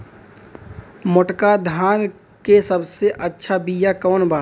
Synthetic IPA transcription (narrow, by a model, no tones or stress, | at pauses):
mʊʈkad̪ʱaːn | kesəbseʔɐtːʃʰabiːjakɔːnbaː